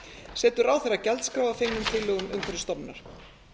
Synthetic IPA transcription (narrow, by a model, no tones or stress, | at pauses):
sɛːt̪ʏɾaːwθeɾacɛlt̪skɾaːwvafejŋnʏmt̪ʰɪlœɣʏmʏ̰ŋkʰɛɾɪst̪ɔpnaɾ̥